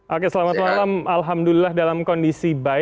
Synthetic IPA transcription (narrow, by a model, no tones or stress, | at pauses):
ʔokesəlamat̪̚malamalɦamdulilahdalamkɔndisiba